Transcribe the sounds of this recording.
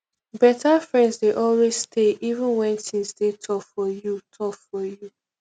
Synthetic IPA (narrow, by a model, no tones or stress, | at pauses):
bɛtafɹɛ̃ndzdeʔɔlwezstʰeʔivũnwɛ̃ntĩnsdetʰɔffɔjutʰɔffɔju